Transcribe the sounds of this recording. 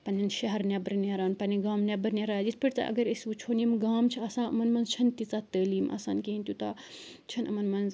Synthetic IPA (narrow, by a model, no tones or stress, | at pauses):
pɐnʲɐnʃɐɦɐɾnʲebəɾneɾaːnpɐniɡaːmnʲɐbɐɾneɾaːd͡ʒit̪ʰpʲiʈt̪ɐ̰ʔɐ̰ɡɐɾisʲut͡ʃʰoːnimɡaːmt͡ʃʰiɐsãːɐmɐnmɐnzt͡ʃʰɐnt̪it͡saːt̪əːliːmɐ̰sã̰ːnkeːnʲt̪ʲjut̪ɐ | t͡ʃʰɐnʔɐmɐnmɐnz